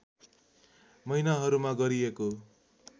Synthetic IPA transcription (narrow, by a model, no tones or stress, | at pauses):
mʌjnaɦʌɾumaɡʌɾieko